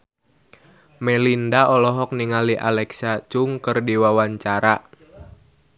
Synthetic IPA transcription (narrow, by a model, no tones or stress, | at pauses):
mɛlindaʔɔlɔɦɔk̚niŋaliʔalɛksat͡ʃʊŋkərdiwawaɲt͡ʃaɾa